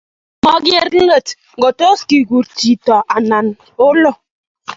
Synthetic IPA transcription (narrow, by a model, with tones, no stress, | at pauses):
mɔ˦ɡje˦ɾ̩˦ŋə˦˨t | ɡo˨to˦ski˨ɡu˨ɾti˨tɔ˨ʔa˨na˨n | o˦lɔ˦˨